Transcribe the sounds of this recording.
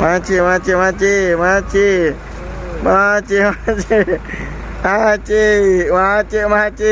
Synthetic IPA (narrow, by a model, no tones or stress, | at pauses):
mãt͡ʃʰemãt͡ʃemãt͡ʃemãt͡ʃe | mãt͡ʃemat͡ʃe | ãt͡ʃemãt͡ʃemãt͡ʃe